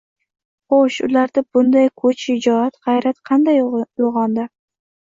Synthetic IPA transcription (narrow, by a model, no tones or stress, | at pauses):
χoʃʊ̰laɾd̪abʊnd̪ajkʰot͡ʃɪd͡ʒɒat̪ʁɑjɾat̪qʰɑnd̪ajjoʁɒnd̪ɪ